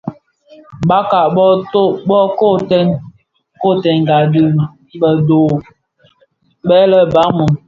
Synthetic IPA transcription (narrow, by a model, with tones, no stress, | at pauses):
ba˦ka˨ʔɓɔ˦to˦bɔ˦ko˦˨tɛ˦ŋ | ko˦˨tɛ˨ŋ˨ɡa˨di˦˨ | bə˨doː˨ | bɛ˦lə˦ba˦mu˨m